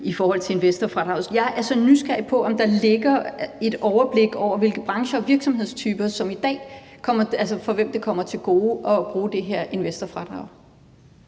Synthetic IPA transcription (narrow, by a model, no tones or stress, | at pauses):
ifɒːhɒ̽l̰t͡sʰe̝e̝nʋesd̥ɐfʁɑ̈d̥ʁɑ̈ʊsjɑ̈ɪʔæɐsɒ̽nysɡ̥æɐipʰɒ̽ʔɒ̽md̥ɑ̈le̝ɡ̥ɐe̝d̥ɒʊɐb̥le̝ɡ̥ɒʊ̰ɐʋe̝lɡ̥ð̩b̥ʁɑ̈ŋɕɐɒ̽ʋiɐɡ̥sɒ̽mɦe̝ð̞̰ˠst͡sʰyːb̥ɐsɒ̽mid̥ɛ̰ːkʰɒ̽m̰ɐælsəfɒ̽ʋemd̥ekʰɒ̽m̰ɐt͡sʰe̝lɡ̥o̝ːʔɒ̽b̥ʁuːd̥e̝ɦeɐ̰ʔe̝nʋesd̥ɐfʁɑd̥ʁɑ̈ʊ